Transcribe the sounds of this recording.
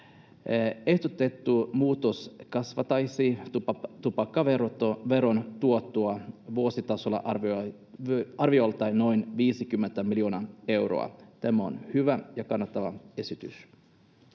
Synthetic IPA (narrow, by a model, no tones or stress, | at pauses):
e̞hd̪ot̪et̪ːumuːt̪oskɑsʋɑt̪ɑjsiːuɑt̪upɑkːɑʋerot̪ʋeɾont̪uot̪ːuɑʋuosit̪ɑsolːɑ̰ʔɑrʋ | ɑrʋiolt̪ːɑjno̞jnʋiːsikymːent̪æmilioːnɑe̞wro̰ɑ̰t̪æmæo̰nhyʋæjɑkɑnːɑt̪ːɑʋɑe̞sit̪y̰s